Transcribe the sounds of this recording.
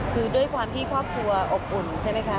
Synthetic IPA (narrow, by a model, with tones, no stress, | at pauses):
kʰɯː˧du˥˩əjkʰwaː˧mt̪ʰiː˥˩kʰɾɔː˥˩p̚kʰɾu˧ɐʔo˨˩p̚u˨˩nt͡ɕʰa˥˩jma˥jkʰa˦˥